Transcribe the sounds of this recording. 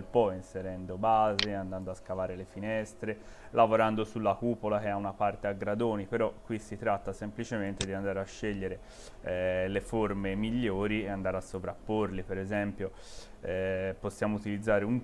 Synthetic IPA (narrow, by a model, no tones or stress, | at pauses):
lpɔinseɾɛnd̪obaːzeand̪and̪oaskavaːɾelefinɛst̪ɾe | lavoɾand̪osulːakupolak̟eaunapart̪eaɡɾad̪oːnipeɾɔkːwisːit̪ɾat̪ːasemplit͡ʃement̪ed̪iand̪aːɾeaʃːɛʎːeɾe | lefoɾmemiʎːoːɾieand̪aːɾeasːovɾapːorlipeɾezɛmpjo | ɛposːjaːmout̪ilid̪zːaːɾeuŋ